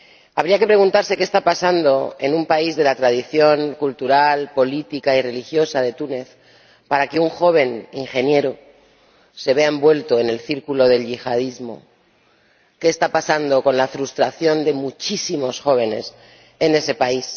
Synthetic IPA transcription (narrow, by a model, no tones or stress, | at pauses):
aβɾiake̞pɾe̞ɣũnt̪aɾse̞kest̪apasand̪o̞e̞̰numpaizðe̞lat̪ɾað̞iθjo̞ŋkult̪uɾalpo̞lit̪ikaire̞lixjo̞saðe̞t̪une̞θ | paɾake̞uŋxo̞β̞e̞niŋxe̞nje̞ɾo | se̞βeaembwe̞lt̪o̞ene̞lθiɾkulo̞ðe̞lʝixað̞izmo̞̰ | keːst̪apasand̪o̞ko̞nlafɾust̪ɾaθjo̞nd̪e̞mut͡ʃisimo̞sxo̞β̞e̞ne̞̰s | e̞ne̞se̞pais